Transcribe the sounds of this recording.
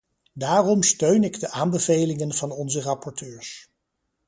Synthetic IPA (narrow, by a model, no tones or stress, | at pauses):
daːrɔmstøɥnɪɡdəʔaːmbəvejlɪŋənv̥ɑnɔnzərɑpɔɹtøːɹs